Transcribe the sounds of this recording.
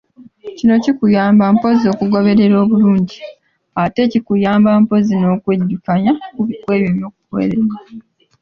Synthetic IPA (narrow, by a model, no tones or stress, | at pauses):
cino̞cikujaːmbampo̞zio̞ːkuɡo̞βe̞ɾe̞ɾo̞ːβuluːɲɟi | ate̞cikujaːmbampo̞zino̞ːkwedːikaɲakwe̞ːβjoβjo̞ːk̚u̥kwḛːɾeɾwa